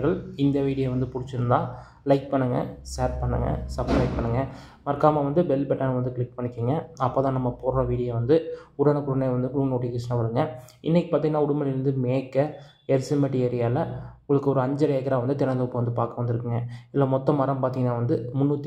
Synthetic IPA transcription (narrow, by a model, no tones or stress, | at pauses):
ɣɐɭɪnd̪ɐʋiːɽɪjɐʋɐnd̪ɯpʊɽɪt͡ʃːɪɾɯnd̪ãː | lɐɪk̚pɐɳːɯŋɡɐ̰seːʈ̚pɐɳːɐ̰ŋɡɐ̰sɐblɐɪʈ̚pɐɳːɯŋɡɐ | mɐɾkːaːmɐʋɐnd̪ɯbɛlːbɛʈːaːnɐʋɐnd̪ɯkɪɭɪk̚ːpɐɳːɪkːiːŋɡɐɐpːoːt̪ãːnɐmːɐpɔɾɾɐʋiːɽɪjɐʋɐnd̪ɯʊɽɐnɐkʊɽɐnejʋɐnd̪ɯkluːnoːʈːikɪsnapɐɾɯŋɡɐɪ̰nːɛkːɯpaːɾiŋɡɐnːaːʊɽʊmɐlɪɾɯnd̪ɯmeːkːɐ | ɛɾsɪmɐʈːɪɐɾɪjaːlɐʊŋɡɐɭɐkːɯɔɾɯɐɲd͡ʒɐɾeːkːɐɾaːʋɐnd̪ɯt̪ɪnɐnd̪ɐpːɯʋɐnd̪ɯpaːɾkɐʋɐnd̪ɪɾɯkːɯŋɡɐɪlːɐmɔt̪ːɐmɐɾɐmpaːɾt̪iŋɡɐnːaːʋɐnd̪ɯmʊnːut̪ː